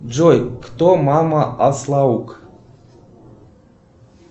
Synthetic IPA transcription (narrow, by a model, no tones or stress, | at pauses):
d͡ʒojkt̪omamaɑslˠɑuk